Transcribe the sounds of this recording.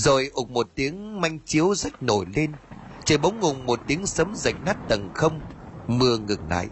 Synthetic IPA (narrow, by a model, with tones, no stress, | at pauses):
zo˨˩jʔʊ˨˩k͡p̚mo˨˩t̚t̪i˨˦əŋma˧jŋ̟t͡ɕi˨˦əwzə˦˥t̚no˧˩jle˧nt͡ɕə˧˩ɓə˨˦wŋ͡mŋʊ˨˩ŋ͡mmo˨˩t̚t̪i˨˦əŋsə˨˦mzə̰˧˩jk̟̚naː˦˥t̚t̪ə˨˩ŋxə˧wŋ͡mmɨ˧əŋɨ˨˩ŋla̰ː˧˨jʔ